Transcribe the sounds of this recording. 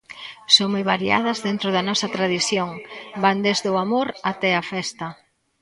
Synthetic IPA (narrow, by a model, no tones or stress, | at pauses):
soŋmojβaɾia̰ð̞ɐzðent̪ɾʊðɐnɔsɐt̪ɾaðiθjoŋband̪ezðʊamoɾat̪ɛafɛst̪ɐ